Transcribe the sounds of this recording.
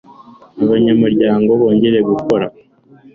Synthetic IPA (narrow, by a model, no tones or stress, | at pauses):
aβaɲamuɾɟaːŋɡo̞βo̞ːɲɟe̞ɾe̞ɡuko̞ɾa̰